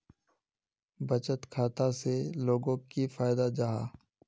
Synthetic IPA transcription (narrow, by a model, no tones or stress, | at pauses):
bət͡ʃət̪kʰaːt̪aseloːɡõkifaːɪd̪ad͡ʒaːɦa̰ː